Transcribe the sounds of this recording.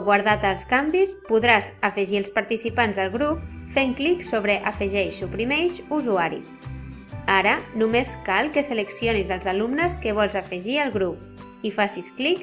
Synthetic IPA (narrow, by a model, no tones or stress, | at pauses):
ɣwaɾðat̪əlˠskambispuðɾazəfəʒiəlˠspaɾt̪isipanzðəlˠɣɾup̚feŋkliksoβɾəʔəfəʒɛʃupɾimejʃuzuaɾḭs | aɾənumeskalˠkəsələksionizəlˠzalumnəskəβ̞ɔlˠzəfəʒiəlˠɣɾup̚ | ifasisklik